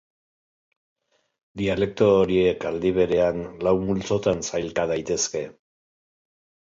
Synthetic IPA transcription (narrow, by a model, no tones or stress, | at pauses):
d̪iale̞k̚t̪oɾiekald̪iβ̞e̞ɾe̞anlawmult͡so̞t̪ansajlt̪að̞ajt̪e̞ske̞